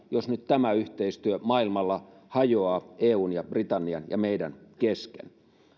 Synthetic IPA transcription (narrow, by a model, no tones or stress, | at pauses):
josnyt̪t̪æmæyht̪eist̪yømɑilmɑlːɑ | hɑjoɑːeːuːnjɑb̥rit̪ɑnːiɑnjɑ̰meidænkeskḛn